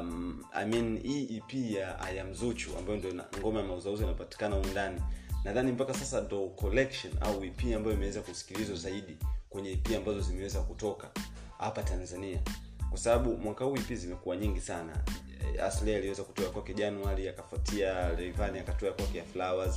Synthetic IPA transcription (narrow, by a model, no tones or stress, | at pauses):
a̰miniʔipijaa̰jam̩zut͡ʃua̰mbajɔndiɔŋɡɔmajamauzauzianapati̥kanaundaninaðanim̩pakasasandɔkɔlɛkʃɔna̰uipiːambajɔimɛwɛzakusi̥kilizwazaiɗikwɛɲɛipiambazɔzimɛwɛzakutɔka | hapatanzaniakwasaɓaɓumwakahuipizimɛkuwaɲiŋɡisana̰ | a̰slɛaliwɛzaku̥tɔakwakɛʄanwaliakafwatʰialɛivaniakatɔakwakɛjaflawaz